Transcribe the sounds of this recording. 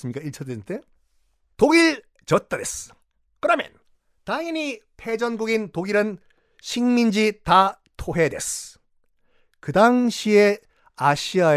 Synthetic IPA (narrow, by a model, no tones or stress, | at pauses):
sɯmɲikaiɭt͡ɕʰʌdesnt͈e | toɡiɭ | t͡ɕʌt͈ade̞s | kɯɾʌmjʌ̰n | taŋiɲipʰe̞d͡ʑʌnɡuɡintoɡiɾɯn | ɕʰiŋmind͡ʑita | tʰoɦe̞de̞̰s | kɯdaŋɕʰie | aɕʰia